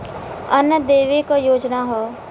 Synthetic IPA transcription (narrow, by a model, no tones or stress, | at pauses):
ənːəd̪eːʋikojoːd͡ʒnaɦɔː